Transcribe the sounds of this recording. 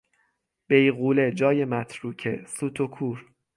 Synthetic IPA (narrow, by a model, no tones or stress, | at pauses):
b̥e̞jɣuːle̞d͡ʒɒːje̞mæt̪ʰɾuːcʰe̞suːt̪ʰokʰuːɾ